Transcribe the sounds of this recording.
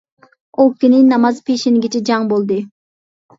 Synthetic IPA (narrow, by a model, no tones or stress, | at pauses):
okʲynɪnɑmɑzpʰeʃinɪɡʲɪt͡ʃʰɛd͡ʒɑŋbolˠd̪ɨ